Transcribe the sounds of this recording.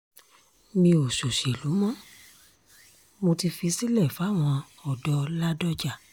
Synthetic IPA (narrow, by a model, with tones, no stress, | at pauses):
mĩ˧o˨ʃo˨ʃe˨lu˨˦mɔ̃˦ | mo˧ti˧fi˧si˦lɛ˦˨fa˦˨w̃ɔ̃˧ | ɔ˨dɔ˧la˦dɔ˦d͡ʒa˦˨